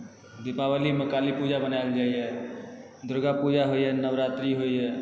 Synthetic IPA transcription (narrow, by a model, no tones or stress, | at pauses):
d̪ipabaliməkalipud͡ʒabənaɪld͡ʒaijɛ | d̪ɾoɡapud͡ʒaɦoijɛnəʋɾat̪ɾiɦoijɛ